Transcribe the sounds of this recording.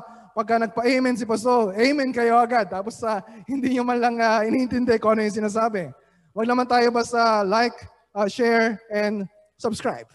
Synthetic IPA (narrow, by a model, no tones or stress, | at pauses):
pɐɡ̚kːɐnɐɡ̚pɐʔejmɛns̬ɪpɐs̬oʔejmɛnkɐjo̞ʔɐɡad̪̚t̪aːposɐhɪnd̪iɲomɐnlɐŋɐʔɪniʔɪnt̪ɪnd̪ɛkoʔɐnojʊŋsɪnaːs̬aːbɛ | wɐɡ̚nɐmant̪aːjo̞bɐsɐlajk | ʔɐʃɛɹɛnd̪ | sɐbskɹa̰jb̥̚